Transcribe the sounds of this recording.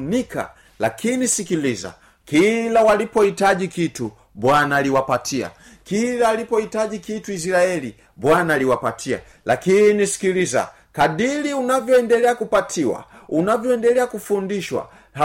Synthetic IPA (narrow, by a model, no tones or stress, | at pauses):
nikʰa̰ | lakʰinisikiliza̰ | kilawalipɔhitaʄikitu | bwanaliwapatʰia̰ | kilaːlipɔhitaʄikituis̬iɾaɛli | bwanaliwapatʰia̰ | lakinisi̥kiliza̰ | kaɗiliunavjɔɛndɛlɛakupatʰiwa̰unavjɔɛndɛlɛakufundiʃwa̰ | ha